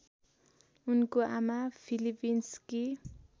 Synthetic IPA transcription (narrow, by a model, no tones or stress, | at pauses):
unkoamapʰilipinski